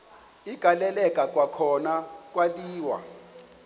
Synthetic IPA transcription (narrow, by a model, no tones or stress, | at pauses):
iɡ̥ʱalɛlɛkʼak̬ʼwakʰɔnak̬ʼwaliːwa̰